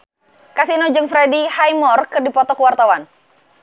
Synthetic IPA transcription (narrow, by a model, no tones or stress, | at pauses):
kasinod͡ʒɨŋfɾedihajmɔrkɨrdipɔt̪ɔkəwart̪awan